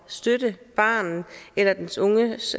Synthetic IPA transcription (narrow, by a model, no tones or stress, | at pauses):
sd̥ød̥əb̥ɑ̰̈ːnn̩elɐd̥ensɔ̽ŋə